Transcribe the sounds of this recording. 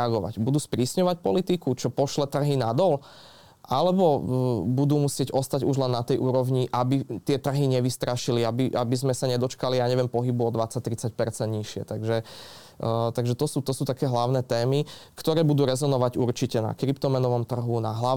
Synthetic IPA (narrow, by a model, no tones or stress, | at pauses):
aɡɔʋa̰ɟbud̪uːspɾiːsɲɔʋac̚pɔlit̪ikut͡ʃɔpɔʃlɛt̪r̩ɦinad̪ɔl | ʔalɛbɔbud̪uːmusɪɛɟɔst̪aɟuʒlɛnːat̪ɛjʔuːɾɔʋɲiʔabit̪ɪɛt̪r̩ɦiɲɛʋist̪ɾaʃiliabiʔabizmɛsaɲɛd̪ɔt͡ʃkalijaːɲɛʋɪɛmpɔɦibuɔd̪ʋat͡sac̚t̪ːɾit͡sac̚pɛɾt͡sɛnt̪ɲiʃɪɛ̰t̪aɡʒɛ | t̪aɡʒɛt̪ɔsuːt̪ɔsuːt̪akɛːɦlaʊnɛːt̪ɛːmikt̪ɔɾɛːbud̪uːɾɛzɔnɔʋaɟuɾt͡ʃicɛna̰kɾipt̪ɔmɛnɔʋɔmt̪r̩ɦunaɦla